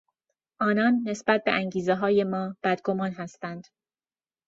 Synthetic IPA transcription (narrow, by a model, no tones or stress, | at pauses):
ʔɒːnɒːnːe̞sbæt̪̚be̞̰ʔæŋɟiːzeɦɒːje̞mɒːb̥æd̪ɡomɒːnɦæst̪ænd̪̥